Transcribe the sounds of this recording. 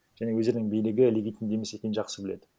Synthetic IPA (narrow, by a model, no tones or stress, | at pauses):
ʒ̥æne̞wɵzeɾɪnɪŋbijlɪɡʲɪlʲeɡʲijt̪ːɪnd̪e̞mesekʲe̞j̪ɪnʒɑqsəbɪled̪ɪ